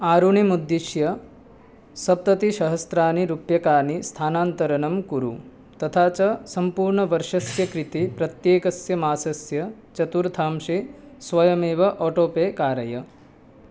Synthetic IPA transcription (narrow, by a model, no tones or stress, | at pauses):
aːɾuɳimud̪ːiʃjɐ | sɐp̚t̪ɐt̪iʃɐɦɐst̪ɾaːniɾupjɐkaːnist̪ʰaːnaːnt̪ɐɾɐnɐmkuɾu | t̪ɐt̪ʰaːt͡ʃɐsɐmpuːɾɳɐʋɐɾʂɐsjɐkɾit̪ipɾɐt̪jeːkɐsjɐmaːsɐsjɐt͡ʃɐt̪uɾt̪ʰaːmʃisʋɐjɐmeːʋɐʔɔːʈoːpeːkaːɾɐjɐ